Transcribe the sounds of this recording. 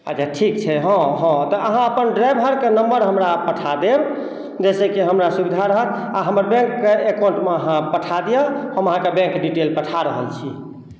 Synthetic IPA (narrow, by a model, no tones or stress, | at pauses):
a̰d͡ʒaʈʰik̚t͡ʃʰɛɦɔ̃ɦɔ̃t̪ɔʔəɦãəpənɖɾajbʱɦəɾkenəmbəɾɦəmɾapəʈʰad̪eb | d͡ʒesɛkeɦəmɾasubid̪ʱaɾəɦət̪aɦəməɾbɛ̃ŋkːeekaw̃ɳʈmeəɦãpəʈʰad̪ijəɦəməɦãkebɛ̃ŋkɖiʈelpəʈʰaɾəɦə̰lt͡ʃʰi